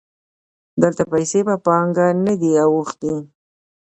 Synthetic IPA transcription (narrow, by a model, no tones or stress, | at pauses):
d̪əlt̪apajsebapɑŋɡanad̪iawuxt̪i